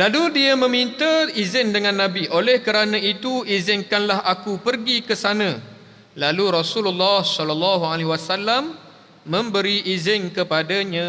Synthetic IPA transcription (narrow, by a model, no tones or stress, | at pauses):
laludiamə̃mint̪əizɪndəŋãnːãbiʔolɛhkəɾanãit̪uizɪnkanlahakupərɡikəsanə̃ | laluɾɔsululːɔhsɔlalːaɦualeɦwasalːamː | ə̃mbəɾiʔizɪnkəpadaɲã